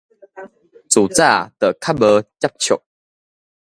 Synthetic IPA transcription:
t͡su˨˩t͡sa˥˨t̪ə˨kʰa˦˥bə˧˦t͡ɕja˦˥p̚t͡ɕʰjɔ̰˨k̚

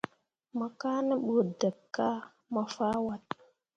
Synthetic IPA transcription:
ma˨ka˦nə˦ɓu˨də˨kːa˦ | ma˨fa˦wa˦t̚

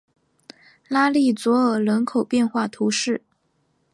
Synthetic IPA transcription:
la˥li˥˩t͡swɔ˧˥ə˨˩lə˧˥nkʰo˨˩ʊpjɛ˥˧nxwa˥˩t̪ʰu˧˥ʂɻ̩˥˩

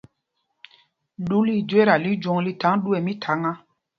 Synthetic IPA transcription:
lu˦li˦˨d͡ʒwe˦ɾa˨li˦d͡ʒɔ̃˨˦ŋli˦tã˨˦ŋɗu˦ɛ˨mĩ˦tʰa˨˦ŋa˦

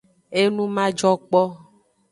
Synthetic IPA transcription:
e˦nũ˦mã˦d͡ʒɔ˦k͡pɔ˦

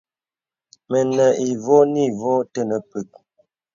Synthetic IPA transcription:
mə˨nə˨ʔi˨vo˦ni˦˨vo˦tə˦˨nə˨pə˨k̚

